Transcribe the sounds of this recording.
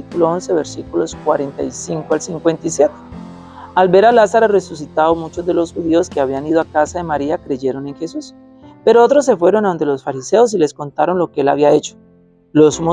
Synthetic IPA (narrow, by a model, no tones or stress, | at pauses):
ikuloonse̞βeɾsikulo̞skwaɾent̪ajsiŋkoalsiŋkwe̞nt̪ajsje̞t̪e̥ | albe̞ɾalasaɾore̞sus̬it̪aðomut͡ʃo̞zd̪e̞lo̞sxuðio̞skeaβianiðoakasaðe̞maɾiakɾe̞ʝe̞ɾo̞ne̞ŋxe̞sus | pe̞ɾoot̪ɾosːe̞fwe̞ɾo̞naond̪e̞lo̞sfaɾise̞os̬ile̞sko̞nt̪aɾo̞nlo̞keelaβiae̞t͡ʃo̥ | losmo